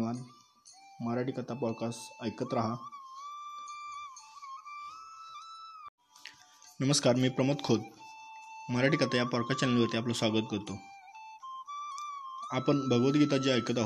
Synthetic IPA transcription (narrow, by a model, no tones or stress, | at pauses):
ʋan | məɾaʈikat̪apɔɽkasəjkət̪ɾaɦa | nəməskaɾmiːpɾəmət̪kʰot̪ | məɾaʈikat̪ajapɔɽkat͡ɕaleliʋəɾt̪iaplosʋaɡət̪̚kəɾt̪o | apəɳbʱəɡʋət̪ɡʱet̪ad͡ʑeəjkət̪̬aɦo